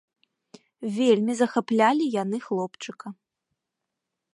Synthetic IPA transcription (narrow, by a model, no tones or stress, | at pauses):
vʲelʲmʲizɐxaplʲalʲijan̪ɨxlˠɔpt͡ʂɨkɐ